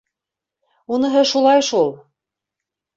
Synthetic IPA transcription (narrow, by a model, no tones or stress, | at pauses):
unɤ̆ɦɤʃulˠɑjʃulˠ